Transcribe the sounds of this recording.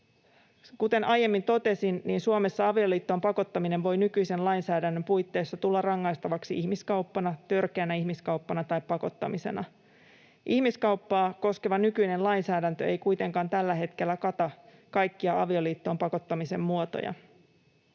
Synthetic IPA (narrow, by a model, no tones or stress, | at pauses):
kut̪e̞nʔɑje̞mːint̪o̞t̪e̞sinniːnsuome̞sːɑɑʋio̞liːt̪ːo̞mpɑko̞t̪ːɑmine̞ʋʋo̞jnykyjse̞nlɑjnsæːdænːømpujt̪ːe̞ːsːɑt̪ulːɑrɑŋːɑjst̪ɑʋɑksiʔihmiskɑuwpːɑnɑt̪ø̞rkeːnæiçmiskɑwpːɑnɑt̪ɑjppːɑko̞t̪ːɑ̰mise̞̰nɑ | ʔihmiskɑuwpːɑːko̞ske̞ʋɑnykyjne̞nlɑjnsæːdænt̪øe̞jkujt̪e̞ŋkɑːnt̪ælːæɦe̞t̪k̟e̞lːækɑt̪ɑ | kɑjkːiɑɑʋioliːt̪ːo̞ːmpɑko̞t̪ːɑmise̞mːuot̪o̰jɑ̰